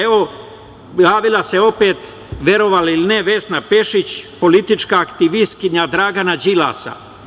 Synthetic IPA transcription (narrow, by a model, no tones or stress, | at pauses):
eo | jaːʋilase̞o̞pe̞ːt̪ | ʋe̞ɾo̞ʋaliline̞ʋe̞snape̞ʃit͡ɕpo̞lit̪it͡ʃkaːkt̪iʋist̪kiɲad̪ɾaːɡanad͡ʒila̰sa̰